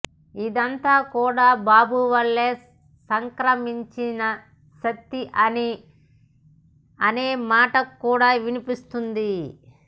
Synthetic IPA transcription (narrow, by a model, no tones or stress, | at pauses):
id̪ɐnt̪aːkuːɽaːbaːbuʋɐɭːeː | sɐŋkɾɐmiɲt͡ʃinɐ | ʃɐt̪ːiʔɐni | ɐneːmaːʈɐkːuːɽaːʋinipist̪und̪i